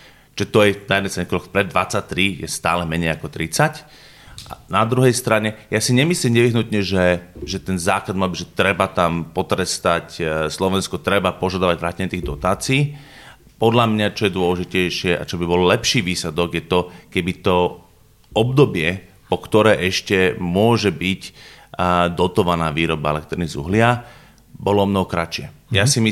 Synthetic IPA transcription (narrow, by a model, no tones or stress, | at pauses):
ɛt̪ɔjɛnajɛd̪ɛsɛɲɛkɾɔkpɾɛd̪ːʋat͡sac̚t̪ɾijɛ̰st̪a̰ːlɛmɛɲɛɪakɔt̪ɾit͡sac | a̰nad̪ɾuɦɛjst̪ɾaɲɛjasiɲɛmislimɲɛʋiɦnut̪ɲɛʒɛʒɛt̪ɛnzaːklad̪malbiʒɛt̪ɾɛbat̪ampɔt̪ɾɛst̪acslɔʋɛnskɔt̪ɾɛbapɔʒad̪aʋaɟʋɾaːcɛɲɛt̪iːɣd̪ɔt̪aːt͡siiː | pɔd̪ʎamɲat͡ʃɔjɛd̪ʊɔlɛʒicɛjʃɪɛʔa̰t͡ʃɔbibɔllɛpʃiːʋiːsɛd̪ɔɡjɛt̪ɔkɛbit̪ɔ | ɔbd̪ɔbɪɛ | pɔkt̪ɔɾɛːʔɛʃcɛmʊɔʒɛbic | d̪ɔt̪ɔʋanaːʋiːɾɔbaɛ̰lɛk̚t̪ɾinizṵɦlɪa | bɔlɔɔmnɔɦɔkɾat͡ʃɪɛjasimi